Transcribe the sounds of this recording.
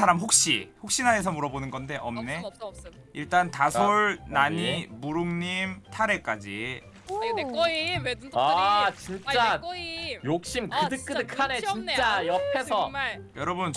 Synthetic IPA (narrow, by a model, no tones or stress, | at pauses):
aɾamɸok̚ɕ͈ḭɸok̚ɕ͈inaes̬ʰʌmuɾʌbonɯnɡʌnde̞ʔʌmne̞ | iɭt͈antasʰoɭnaɲimuɾuŋɲimtʰaɾe̞k͈ad͡ʑi | at͡ɕint͡ɕ͈a | jok̚ɕ͈imkɯdɯk͈ɯdɯkʰanet͡ɕin͈ajʌpʰesʰʌjʌɾʌbunt͡ɕ